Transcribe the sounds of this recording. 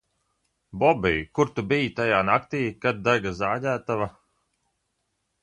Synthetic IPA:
bɔbḭjkuɾt̪ubijt̪ajaːnakt̪iːkad̪̚d̪aɡazaːdʲæːt̪ava

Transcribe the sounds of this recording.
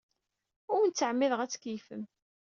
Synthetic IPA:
ʊwnt͡sːəʕmːɪðəʁæt͡sːkifə̰m

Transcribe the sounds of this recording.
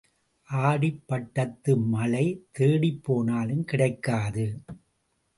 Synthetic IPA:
ʔaːɽɪpːɐʈːɐt̪ːɯmɐlɐɪt̪eːɽipːoːnaːlɯmkɪɽɐɪkːaːðɯ

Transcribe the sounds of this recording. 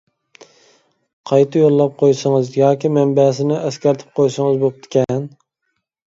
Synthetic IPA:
qʰɑjt̪ʰɨjolˠːɑp̚qʰojsɨŋɨzjɑːkʲimɛmbɛs̬ɪnɪʔɛskʲɛɾt̪ʰɪ̥p̚qʰojsɨŋɨzbop̚t̪ʰɪ̥kʲɛn

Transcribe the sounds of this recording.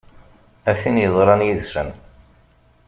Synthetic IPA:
æθinjəðˤɾˤɑnjiðsən

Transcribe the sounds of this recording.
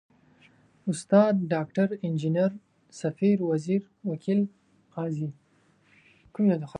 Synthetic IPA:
ʊst̪ɑːd̪̚ɖɑk̚ʈaɾɪnd͡ʒinaɾ | safiɾwaziɾ | wakʰil | qɑːzi | kumlad̪əx

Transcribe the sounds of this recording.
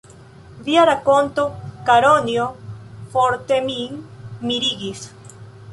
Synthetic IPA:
vjaɾakont̪okaɾonjofoɾt̪emiŋmiɾiɡis

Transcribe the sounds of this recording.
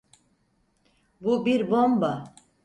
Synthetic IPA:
bubiɾbomba

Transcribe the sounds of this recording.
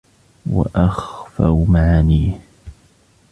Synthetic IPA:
wa̰ʔaxfawmaʕaniːh

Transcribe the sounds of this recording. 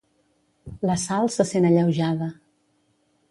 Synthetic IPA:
ləsalˠsəsenəʎəwʒaðə

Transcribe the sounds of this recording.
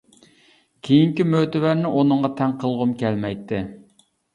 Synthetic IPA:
kʲʰejiŋkʲimøt̪ɪvæɾnɪʔonɨŋʁɑt̪ʰɛŋqʰəlˠʁʊmkʲɛlmɛjt̪ʰːɪ

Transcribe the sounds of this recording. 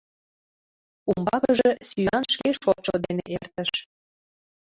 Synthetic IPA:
umbɑkəʒĕsyjɑnʃkeʃot͡ɕod̪enḛʔert̪ə̆ʃ

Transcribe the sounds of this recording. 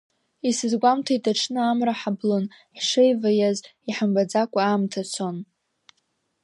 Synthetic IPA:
isɨzɡʷamtʰaitʰʼaʈ͡ʂʰnɨamraħablon | ħʂejvajaziħambad͡zakʷʼaːmtʰat͡sʰon

